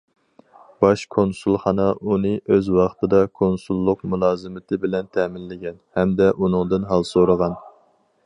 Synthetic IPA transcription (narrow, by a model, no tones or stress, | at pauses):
b̥ɑʃkʰonsulˠχɑnɑʔunɨʔøzwɑχt̪ʰɨd̪ɑkʰonsulˠːʊqmulˠɑːzɨmɪt̪ʰɪbɪlɛnt̪ʰɛmɪnlɪɡʲɛnhɛmd̪ɛʔunɨŋd̪ɨnɦɑlˠsoɾəʁɑn